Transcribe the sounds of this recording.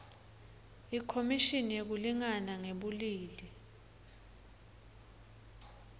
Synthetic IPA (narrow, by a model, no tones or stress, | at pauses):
ikʰomiʃinijek̬uliŋanaŋeɓuliːli